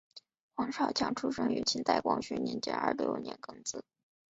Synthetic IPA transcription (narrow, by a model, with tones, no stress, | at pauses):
xwɑ˧˥ŋʂɑ˥˩ʊt͡ɕʰjɑ˧˥ŋʈ͡ʂʰu˥ʂɤ˥ŋy˧˥t͡ɕʰi˥nt̪a˥˩ɪkwɑ˥ŋɕy˧˥ni˧˥nt͡ɕjɛ̰˧˥nə̰˞˧k̪ə̰˧˥jo̰˧˩njɛ̰˧˥nkɤ˥ŋt͡sɹ̩˥˩˦